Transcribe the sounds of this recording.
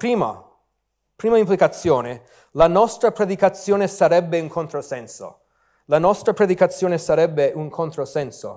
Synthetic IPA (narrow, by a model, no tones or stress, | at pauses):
pɾiːma̰ | pɾiːmaimplikat̪sːjɔːne | lanɔst̪ɾapɾed̪ikat̪sːjɔːnesaɾɛbːeuŋkʰont̪ɾosɛnso̰ | lanɔst̪ɾapɾed̪ikat̪sːjɔːnesaɾɛbːeuŋkʰont̪ɾosɛnso̰